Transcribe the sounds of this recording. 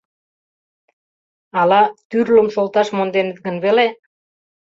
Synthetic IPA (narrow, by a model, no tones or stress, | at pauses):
ɑlɑt̪yɾlomʃolt̪ɑʃmond̪enet̪̚ɡə̆nβele